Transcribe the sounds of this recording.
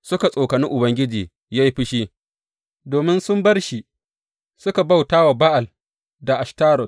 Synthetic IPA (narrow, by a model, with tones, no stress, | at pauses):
sʊ˦ka˨sʼoː˨kɐ˨nɪ˦ŋʔʊ˨bɐ˦ŋɡʲɪ˦d͡ʒiː˨ | ja˦jɸɪ˦ʃiː˦ | doː˨mɪ˦nsʊ˦mbɐ˦rʃi˨ | sʊ˦ka˨ba˦wtaː˦wa˨ba˦ʔa˨l | da˨ʔa˨ʃtaː˦ɽɔ˨